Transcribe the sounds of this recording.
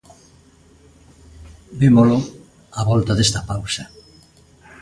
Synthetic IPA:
bimolo | aβɔlt̪aðest̪apawsɐ

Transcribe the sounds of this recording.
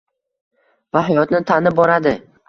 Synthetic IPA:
vaɦajɒt̪nɪt̪ʰanɪbɒɾad̪ɪ

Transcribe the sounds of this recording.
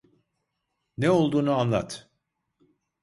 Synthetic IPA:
neo̞lˠd̪uːnuanlˠa̰t̪

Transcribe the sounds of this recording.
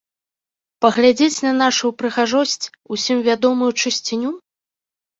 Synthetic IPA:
pɐɣlʲad͡zʲet͡sʲnɐnaʂujupɾɨɣaʐɔsʲt͡sʲ | usʲimvʲad̪ɔmujut͡ʂɨsʲt͡sʲinʲu

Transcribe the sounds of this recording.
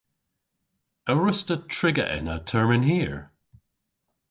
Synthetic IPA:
əɹʊstətʰɹ̥ɪɡə̰ʔɪ̰nə̰tʰɜɹmɪ̃nhiːɹ

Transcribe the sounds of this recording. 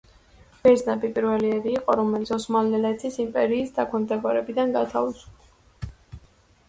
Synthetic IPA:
b̥ɛznabipʼiɾvɛliɛɾiːqʼɔɾɔmɛlit̪sʰɔsmalnɛlɛt̪ʰisimpʼɛɾiːsd̪akʰwɛmd̪ɛbɔɾɛbid̪anɡat̪ʰavisu̥pʰa

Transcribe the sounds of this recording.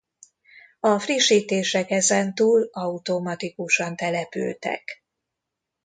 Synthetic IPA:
ɒfriʃːiːt̪eːʃɛkɛzɛnt̪uːlɒut̪omɒt̪ikuʃɒnt̪ɛlɛpy̰lt̪ɛ̰k

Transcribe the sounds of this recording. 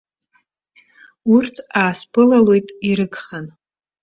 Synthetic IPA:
urtʰaːspʰɨlalo̞jtʼiɾɨkʰʼχan

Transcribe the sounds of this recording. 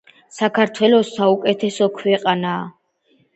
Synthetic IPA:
sakʰaɾt̪ʰwɛlɔsːaukʼɛt̪ʰɛsɔkʰwɛqʼanaː

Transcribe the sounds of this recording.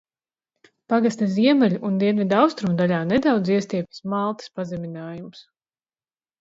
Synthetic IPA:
paɡast̪ʲaziɛmɛlʲuʔund̪iɛnvʲid̪awst̪ɾumd̪alʲaːned̪awd̪ziɛst̪iɛpʲi̥smalˠt̪i̥spazɛmʲinaːjumus

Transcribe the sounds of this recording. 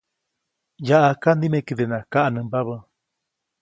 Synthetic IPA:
jaʔakand̪imekid̪enãkaʔanɨ̃mbaβə

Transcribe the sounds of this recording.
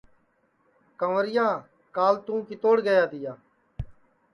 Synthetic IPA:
kəʋəɾɪjãː | kaːlt̪ũːkit̪oːɽɡəjaːd̪ɪjaː

